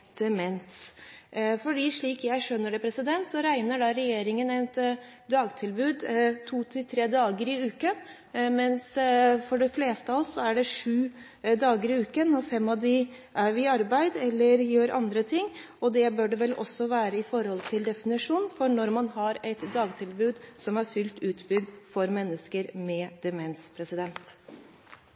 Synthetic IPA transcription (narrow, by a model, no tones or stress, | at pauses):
d̪̥ɛmɛnt̪ | fɔɖiːʂɭiːkjæɪʂœnːəɖɛpʰɾɛsɪd̪ɛnt̪sɔɾæɪnəɖɑɾɛjeːɾɪŋənɛt̪d̪ɑːɡt̪ʰɪlbʉːd̪t̪ʰuːt̪ʰɪlt̪ʰɾeːd̪ɑːɡəɾɪʉːkə | mɛnsfɔɖɛfleːst̪əɑʋɔsːɔæɖɛʂʉː | d̪ɑːɡəɾɪʉːkənɔfɛmːɑʋd̪ɪ | ʔæɾʋɪɑɾbæɪd̪ɛlːəɾjøːɾʔɑ̰nd̪ɾət̪ʰɪŋː | ɔd̪ɛbøːɖɛʋɛlʔɔ̰sːɔʋæːɾəɪfɔɾhɔlt̪ʰɪld̪ɛfɪnɪʂuːnfɔɳɔɾmɑnɦɑɾɛɪt̪d̪ɑːɡt̪ʰɪlbʉːd̪sɔmæɾfʏlt̪ʉːt̪bʏɡ̪fɔɾmɛnːəskəɾmɛd̪̥ɛmɛnspʰɾɛsɪd̪ɛnt̪